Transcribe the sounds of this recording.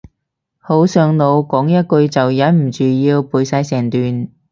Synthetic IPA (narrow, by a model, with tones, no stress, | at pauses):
ho˨˥wsœː˨˧ŋno˨˧wkɔː˨˥ŋjɐ˥t̚kɵ˧ɥt͡sɐ˨wjɐ˨˥nm̩˨˩t͡ʃyː˨jiː˧wpuː˨˧jsɐ˨˧˥jsɛː˨˩ŋt̪yː˨n